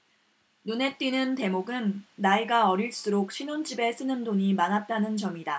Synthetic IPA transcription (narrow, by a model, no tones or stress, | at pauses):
nune̞t͈ɥinɯnte̞moɡɯnːaiɡaʌɾiɭs͈uɾok̚ɕʰinond͡ʑibe̞s͈ɯnɯndoɲimanat̚t͈anɯnt͡ɕʌmida